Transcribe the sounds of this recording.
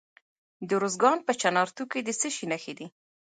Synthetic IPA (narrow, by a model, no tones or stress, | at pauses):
d̪əɾozɡɑnpət͡ʃanɑɾt̪uked̪əsəʃinaxed̪i